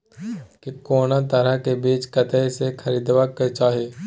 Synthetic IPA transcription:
kikoːnat̪əɾəɦkebiːt͡ʃkət̪əjsekʰɐɾiːd̪ʋaket͡ʃaːɦeː

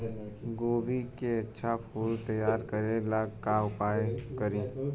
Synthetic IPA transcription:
ɡoːbikeɐtːʃʰapʰuːlt̪ɐjːaːɾkəɾẽlaɡkaʊpaːjkɐɾẽː

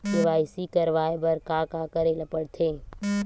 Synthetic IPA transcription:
tɪʋaːɪsikəɾʋaːebɐɾkakakəɾeləpəɽt̪ʰeː

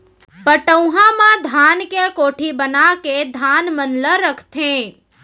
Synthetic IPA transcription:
bəʈə̃ɦãmãd̪ʱankekoːʈʰibənaked̪ʱanmənləɾəkʰt̪ʰẽ

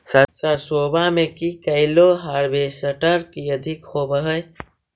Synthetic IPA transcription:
səsəɾsoːbamẽkikəɪloɦaːɾbesəʈəɾkiəd̪ʱɪkhobəɦə

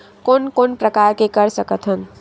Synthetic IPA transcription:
koːnkonpɾəkaɾkekəɾsəkət̪ʰɦən

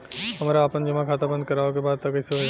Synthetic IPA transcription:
həmɾaːpənd͡ʒəmãkʰat̪abə̃nd̪̚kəɾaokebaːd̪̚t̪ʌkəsee

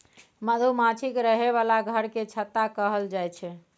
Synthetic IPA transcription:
məd̪ʱumãt͡ʃʰikɾəɦeβalaɡʱəɾket͡ʃʰət̪ːakəɦəld͡ʒajt͡ʃʰɛ

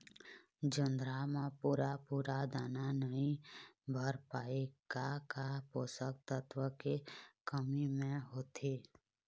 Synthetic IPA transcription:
d͡ʒə̃nd̪ɾamãpuːɾapuːɾad̪aːnanəɦĩbʱəɾpaːeɡ̥akapoːsək̚t̪ət̪ʋəkekəmimẽɦoːt̪ʰeː

